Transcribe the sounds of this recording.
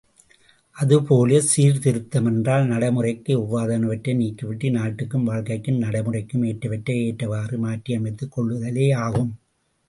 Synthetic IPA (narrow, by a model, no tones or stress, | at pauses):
ʔɐðɯpoːlɐsiːɾt̪ɪɾɯt̪ːɐmɛndraːlnɐɽɐmɯrɐɪkːɯʊʋːaːðɐnɯʋɐʈːɐniːkːɯʋɪʈːinaːʈːɯkːɯmʋaːɻkɐɪkːɯmnɐɽɐmɯrɐɪkːɯmeːʈːɐʋɐʈːɐeːʈːɐʋaːrɯmaːʈːijɐmɐɪt̪ːɯkɔɭːɐðɐleːaːɣɯm